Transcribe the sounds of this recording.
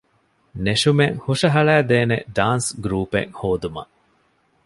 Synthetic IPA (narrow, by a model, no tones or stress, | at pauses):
neʃumeŋhuʂɐɦɐɭæːd̪eːnḛɖaːnsɡɾuːpḛŋhoːd̪umɐ̰